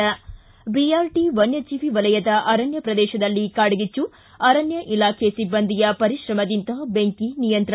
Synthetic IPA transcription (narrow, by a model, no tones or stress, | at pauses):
ɐ | biaːɾʈiʋɐnjɐt͡ʃiʋiʋɐlɐjɐd̪ɐʔɐɾɐnjɐpɾɐd̪ɛːʃɐd̪ɐlːikaːɽuɡit͡ʃːu | ɐɾɐnjɐʔilaːkʰesibːɐnd̪ijɐpɐɾiʃɾɐmɐd̪int̪ɐbeŋkinijɐnt̪ɾɐ